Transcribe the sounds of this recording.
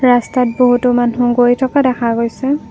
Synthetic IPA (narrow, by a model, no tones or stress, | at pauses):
ɹastat̚boɦutʊmanuɡojtʰɔkadɛkʰaɡojsɛ